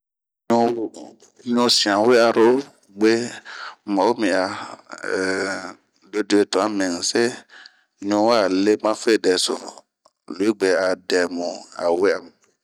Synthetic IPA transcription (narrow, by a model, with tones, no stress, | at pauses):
ɲo˦ | ɲõ˧sĩ˨ã˨we˦a˧ɾo˨˦ | ɡ͡be˦ | mã˨wo˦mĩ˨a˨ | do˦de˦e˨tɔ̃˨a˦mẽ˨ŋ̩˨se˦ | ɲõ˧wa˦˨le˦mã˦fe˦˨dɛ˨so̰˨ | lo˨˦i˦ɡ͡be˨a˨dɛ˨mũ˨a̰˨we˦a˨mũ˨